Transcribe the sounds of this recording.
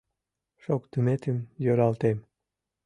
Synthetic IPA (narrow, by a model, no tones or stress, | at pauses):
ʃokt̪əmet̪əmjøɾɑlt̪em